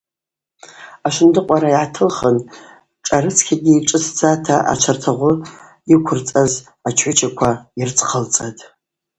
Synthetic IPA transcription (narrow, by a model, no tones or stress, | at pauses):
aʃɪndɨqʷʼaɾaiʕatʰɨlχən | ʈ͡ʂʼaɾɨt͡sʰkʲʰaɡʲiːʈ͡ʂʼɨtʰd͡zatʰaʔa̰t͡ʃʷʰartʰaʁʷʊ | ikʷʰʊrt͡sʼaz | at͡ʃʰħʷʊt͡ʃʰakʷʰairt͡sʰʼqʰəlt͡sʼatʼ